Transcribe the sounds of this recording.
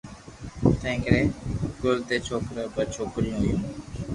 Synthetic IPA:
t̪ʰẽːkɾeːkʊlt̪eːt͡ʃʰoːkɾəbət͡ʃʰoːkɾijũːɦʊjũː

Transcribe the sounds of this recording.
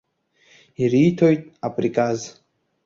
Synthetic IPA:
iɾitʰojtʼapʼrikʼaz

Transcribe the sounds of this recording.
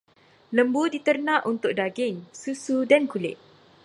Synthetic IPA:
ləmbudit̪ərnãʔunt̪ʊk̚daɡɪŋsusudankulɪ̰ʔ

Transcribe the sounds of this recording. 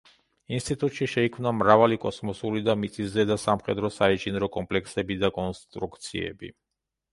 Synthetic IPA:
inst̪ʼit̪ʼut̪ʼʃiʃɛikʰmnamɾavalikʼɔsmɔsuɾid̪amit̪sʼisɛd̪asamχɛd̪ɾɔsait͡ʃʼinɾɔkʼɔmpʼlɛksɛbid̪akʼɔnst̪ʼɾukʰt̪sʰḭɛ̰bḭ

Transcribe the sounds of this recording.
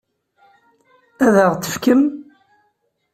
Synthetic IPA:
æðəʁt̪ːə̥fkəm

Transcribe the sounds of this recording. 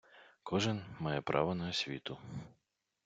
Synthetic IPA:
kʰɔʒɪnmɑjɛpɾʔɑ̰ʋɔnɐɔsʲʋʲit̪ʊ

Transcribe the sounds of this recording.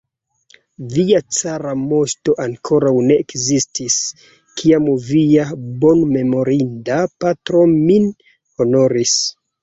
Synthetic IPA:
viat͡saɾamo̞sto̞ʔaŋkʰo̞ɾawne̞ːkzistʰis | kʰiamviabo̞nme̞mo̞ɾindapatɾo̞min | ho̞no̞ɾis

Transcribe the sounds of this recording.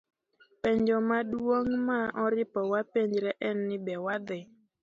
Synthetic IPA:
pɛɲd͡ʒɔmaɗuwoŋmaːʔɔɾipɔwapɛɲd͡ʒɾɛʔɛnːɪbɛwaðɛ

